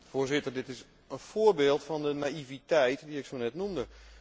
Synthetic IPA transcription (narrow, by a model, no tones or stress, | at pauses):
foərzɪtərdɪtɪs | ənfoːərbeːlˠtfɔndənaivitɛjtdiɪksoːnɛtnumdə